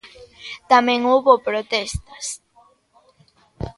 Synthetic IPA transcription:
t̪amẽŋoβopɾot̪ɛst̪ɐs

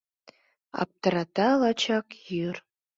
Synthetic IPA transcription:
a̰p̚tʰaɾatʰalat͡ʃʰakjir

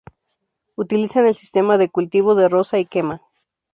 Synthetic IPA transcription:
ut̪ilisanelsi̥st̪emaðekult̪iβoðerosaikema

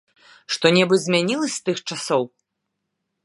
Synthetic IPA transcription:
ʂt̪ɔnʲɛbɨzʲmʲanʲilˠɐsʲst̪ɨxt͡ʂasɔw

